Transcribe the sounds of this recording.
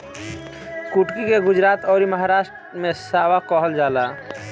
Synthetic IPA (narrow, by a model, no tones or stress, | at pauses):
kuʈkikeɡʊd͡ʒɾaːt̪ɔːɾiməɦaɾaːʃʈɾmẽsaːwakɔɦəld͡ʒaːla